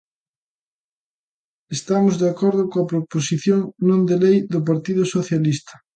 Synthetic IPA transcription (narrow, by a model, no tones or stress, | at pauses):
est̪amʊzðeakɔɾðʊkoɐpɾoposiθjoŋnõnd̪elejðʊp̬aɾt̪iðʊsoθjalist̪ɐ̥